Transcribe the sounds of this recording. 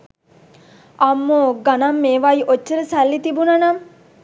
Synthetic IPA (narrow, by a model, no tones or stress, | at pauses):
ɐmːoɡanɐmːeːʋaiʔot͡ʃːəɾəsalːit̪ibunɐnɐm